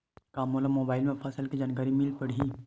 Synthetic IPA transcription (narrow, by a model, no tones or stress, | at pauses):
kaːmoːləmoːbaːɪlmẽpʰɐsəlked͡ʒɐnɡəɾimɪlpəɽ̤i